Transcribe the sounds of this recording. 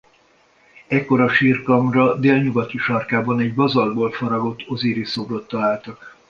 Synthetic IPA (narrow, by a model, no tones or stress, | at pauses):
ɛkːo̞ɾɒʃiːrkɒmrɒd̪eːlɲuɡɒt̪iʃɒrkaːbɒnɛɟbɒzɒlboːlfɒɾɒɡo̞t̪ːo̞ziːɾisoɡlo̞t̪ːɒlaːlt̪ɒk